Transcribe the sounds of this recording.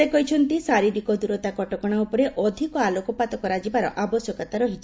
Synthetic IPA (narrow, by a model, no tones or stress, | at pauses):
ekɔɦit͡ʃʰɔnt̪isaɾibikɔd̪uɾɔt̪akɔʈɔkɔɽ̃aupɔɾeʔɔd̪ʱikɔalokɔpat̪ɔkɔɾad͡ʒibaɾɔ̰ʔabɔsjɔkat̪aɾɔɦit͡ʃʰi